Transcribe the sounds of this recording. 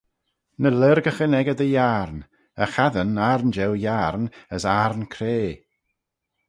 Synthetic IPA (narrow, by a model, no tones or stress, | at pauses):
nələɾɡəxənɛɡəd̪əjaɾn | əxaðənaɾnd͡ʒɛwjarnəsaɾnkʰɾeː